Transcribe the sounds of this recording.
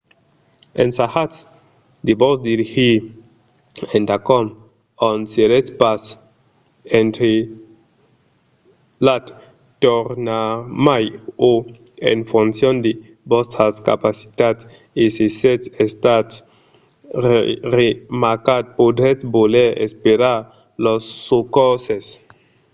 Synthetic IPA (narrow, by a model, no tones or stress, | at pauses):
ḛnsahat | d̪ibosd̪iɾixi | ent̪akɔm | onsielespas | ent̪ɾe | lat̪ | t̪oɾnamajoḛnfunsjond̪e | bost̪ɾaska̰pasi̥t̪at | isiset͡sest̪at | remaɾkat̪̚pod̪ɾet͡sboleḛspeɾaɾ | losːukoses